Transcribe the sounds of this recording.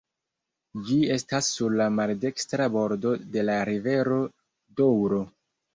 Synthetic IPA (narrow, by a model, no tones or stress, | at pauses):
d͡ʒie̞stasːuɾlamalde̞kstɾabo̞ɾdo̞de̞laɾive̞ɾo̞ | dowɾo̞